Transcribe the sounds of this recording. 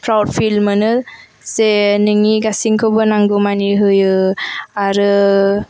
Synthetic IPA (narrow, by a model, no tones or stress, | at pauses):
kɾawdfilmənə | senəŋiɡasiŋkʰobənaŋɡomaniɦɯjəaɾə